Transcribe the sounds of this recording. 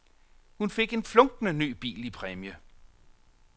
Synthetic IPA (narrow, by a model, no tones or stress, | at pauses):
hunfe̝ɡ̥e̝nflɔ̽ŋɡ̥nəny̰ːb̥ḭːlipʰʁɛmjə